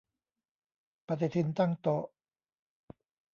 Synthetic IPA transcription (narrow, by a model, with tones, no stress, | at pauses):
pa˧t̪̬i˨˩t̪ʰi˧nt̪a˥˨ŋt̪ɔ˨˩ʔ